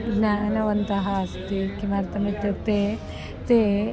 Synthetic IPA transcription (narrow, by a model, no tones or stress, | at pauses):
naɐnɐʋɐnt̪ɐɦɐːst̪ikimaɾt̪ɐmit̪et̪e | t̪e